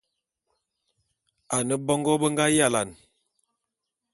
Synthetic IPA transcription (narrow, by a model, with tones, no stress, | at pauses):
a˨nə˦bɔ˦ŋɡɔ˦bə˦ŋɡa˦ja˦la˨n